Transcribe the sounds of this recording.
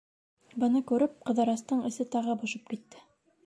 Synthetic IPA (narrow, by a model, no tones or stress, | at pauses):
bɤ̆nɤkʉɾɘp̚qɤ̆ðɑ̆ɾɑst̪ɤɴɘ̆sɘt̪ɑʁɤbŏʃɤp̚kit̪ːɘ